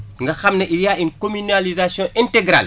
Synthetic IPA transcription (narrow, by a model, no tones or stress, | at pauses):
ŋɡɐxɐmnɐʔijaːinkomynalizasjɔ̃ʔɛntɛɡɾa̰l